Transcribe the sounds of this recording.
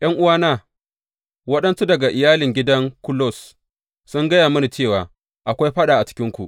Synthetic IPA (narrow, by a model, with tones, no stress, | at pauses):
j̰ɐ˦ŋʔʊ˦waː˦naː˦˨ | wɐ˦ɗɐ˦nsu˦dɐ˨ɡa˨ʔɪ˨jaː˦lɪ˨ŋɡʲɪ˦dɐ˦ŋkʊ˦lɔ˦˨s | sʊ˦ŋɡɐ˦jaː˨mʊ˦ni˨t͡ʃeː˦˨waː˨ | ʔa˨kʷa˦jɸɐ˦ɗaː˨ʔa˨t͡ʃɪ̥˦kʲɪ˦ŋkʷṵ˨ʔ